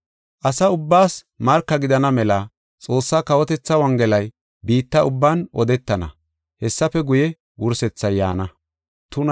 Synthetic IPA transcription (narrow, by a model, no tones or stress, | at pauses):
ʔɐsɐʊbːaːs | mɐɾkːɐɡɪd̪ɐnɐmɛlɐ | t͡sʼo̞ːsːaːkɐwɔt̪ɛt͡sːɐwɐŋɡɛlɐj | biːt̪ːɐʊbːaːnʔɔd̪ɛt̪ːɐnɐ̰ | hɛsːɐfɛɡʊjɛ | wʊɾsɛt͡sːɐjːa̰ːnɐ | t̪ʊn